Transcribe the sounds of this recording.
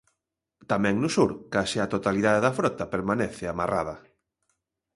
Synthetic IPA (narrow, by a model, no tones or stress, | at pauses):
t̪amɛ̃ŋnʊsuɾkaseat̪ot̪aliðaðeðɐfɾɔt̪ɐpeɾmaneθɪamara̰ðɐ